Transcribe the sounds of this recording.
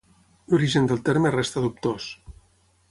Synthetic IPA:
luɾiʒənd̪əlˠt̪eɾmerest̪aðup̚t̪os

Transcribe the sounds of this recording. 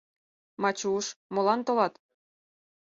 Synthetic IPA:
mɑt͡ɕuʃmolɑnt̪olɑt̪

